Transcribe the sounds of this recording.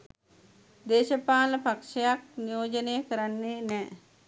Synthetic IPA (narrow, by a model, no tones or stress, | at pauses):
d̪eːʃəpaːləpakʂɐjak̚nijoːd͡ʒənejəkəɾanːenɛː